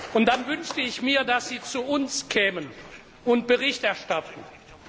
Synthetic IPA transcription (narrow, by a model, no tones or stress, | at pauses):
ʔʊnt̚d̥anvʏnʃtəɪçmiːɐdasz̥iːt͡suʊnskʰɛːmən | ʊnt̚b̥əʁɪçtɛɐʃtatn̩